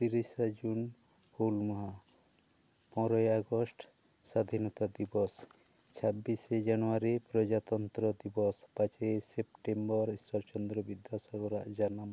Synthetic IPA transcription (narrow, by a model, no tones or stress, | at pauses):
t̪iɾisad͡ʒun | kolmɔɦa | pɔ̃ɾɔjaɡɔsʈ | sad̪ʱinɔt̪ad̪ibɔs | t͡ʃʰabːised͡ʒanɔaɾipɾɔd͡ʒat̪ɔnt̪ɾɔd̪ibɔspat͡ʃesepʈembɔɾistɔɾt͡ʃɔnd̪ɾɔbid̪jasɔɡɔɾaʔd͡ʒanam